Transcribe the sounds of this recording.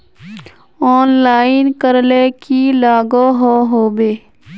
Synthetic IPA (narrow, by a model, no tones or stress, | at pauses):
ɔːnlaːɪnkəɾlekilaːɡoɦoːɦoːbeː